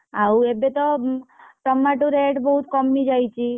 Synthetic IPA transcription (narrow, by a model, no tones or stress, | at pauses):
auebet̪o | ʈɔmːaʈuɾeʈbəɦut̪kɔmnid͡ʒajt͡ʃʰi